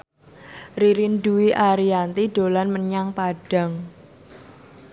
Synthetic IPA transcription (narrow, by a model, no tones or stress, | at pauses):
riɾinduwiʔaɾiant̪iɖolanməɲaŋpaɖ̥a̤ŋ